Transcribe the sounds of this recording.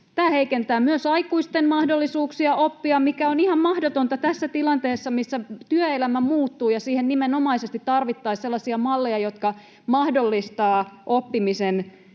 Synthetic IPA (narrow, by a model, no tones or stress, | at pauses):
t̪æːheikent̪æːmyøsɑikuist̪enmɑhdolːisuːksiɑʔopːiɑmikæonihɑmmɑhdot̪ont̪ɑt̪æsːæt̪ilɑnt̪eːsːɑmisːæt̪yøelæmæmuːt̪ːuːjɑsiːhennimeno̞mɑisest̪it̪tɑrʋit̪ːɑiselːɑsiɑmɑlːejɑjo̞t̪kɑ | mɑhdolːist̪ɑːʔopːimisen